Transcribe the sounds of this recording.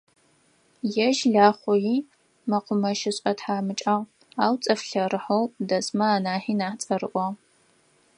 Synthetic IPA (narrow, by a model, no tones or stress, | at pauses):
jɛʒɮaːχʷɔjiː | mɐqʷʊmɐʃɪɕʼɐtħaːmɨt͡ʃʼaʁ | aːwt͡sʼɐfɬɐɾɨħowdɐsʼmɐaːnaːħiːnaːħt͡sʼɐɾɨʔʷɔ